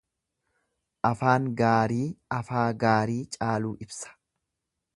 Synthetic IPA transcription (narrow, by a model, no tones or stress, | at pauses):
ʔɐfaːŋɡaːɾiːɐfaːɡaːɾiːt͡ʃʼaːluːʔɪbsɐ̥